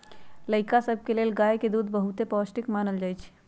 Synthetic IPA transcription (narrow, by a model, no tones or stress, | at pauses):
ləɪkasəb̚ʱkelelɡajked̪ud̪bəɦut̪epɔsʈikmanəld͡ʒajt͡ʃʰ